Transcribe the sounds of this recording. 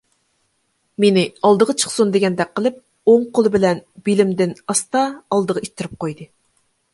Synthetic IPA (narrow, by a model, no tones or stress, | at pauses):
menɪɑlˠd̪əʁɑt͡ʃʰə̥χsund̪eɡʲɛnd̪ɛk̚ʲqʰːəlˠɨp̚ | oŋqʰolˠɨbɪlɛnbilɪmd̪ɪnɑst̪ɑɑlˠd̪əʁɑʔit̪ʰːɪɾɪp̚qʰojd̪ɨ